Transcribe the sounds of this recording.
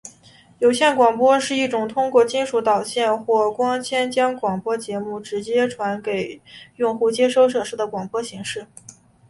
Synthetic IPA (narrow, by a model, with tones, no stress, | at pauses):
jo˨˩ʊɕjɛ˥˩nkwɑ˨˩ŋpwɔ˥ʂɻ̩˥˧i˥˩ʈ͡ʂʊ˨˩ŋt̪ʰʊ˥ŋkwɔ˥˩t͡ɕi˥nʂu˧˥t̪ɑ˨˩ʊɕjɛ˥˧nxwɔ˥˩kwɑ˥ŋt͡ɕʰjɛ˥nt͡ɕjɑ˥ŋkwɑ˨˩ŋpwɔ˥t͡ɕjɛ˧˥mu˥˩ʈ͡ʂɻ̩˧˥t͡ɕjɛ˥ʈ͡ʂʰwa˧˥nke˨˩ɪjʊ˥˧ŋxu˥˩t͡ɕjɛ˥ʂo˥˧ʊʂ̬ɤ˨˩ʂɻ̩˥˩d̪ə˩kwɑ˨˩ŋpwɔ˥ɕi˧˥ŋʂɻ̩˥˩